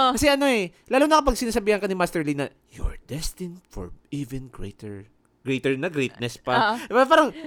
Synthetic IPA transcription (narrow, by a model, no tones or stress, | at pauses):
kɐsɛʔɐno̞ɛlaːlunɐkɐpɐɡ̚sɪnaːsɐbiːhɐnkɐnɪmast̪ɛɹlinɐ | jo̰ɹd̪ɛst̪ɪnfɔ̰ɹʔivɛnɡɾḛjt̪ɛɹ | ɡ̥ɾejt̪ɛɹnɐɡɾejt̪̚nɛspɐapaːɾɐŋ